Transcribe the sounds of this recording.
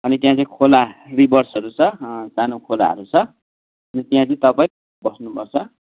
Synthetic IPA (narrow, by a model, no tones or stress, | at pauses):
ʌnit̪jãt͡sʌĩkʰolaribʌrsʌɾut͡sʰʌsanõkʰola̰ɦʌ̰ɾut͡sʰʌ | ʌnit̪jãt͡sʌĩt̪ʌpaĩ | bʌsnupʌrt͡sʰʌ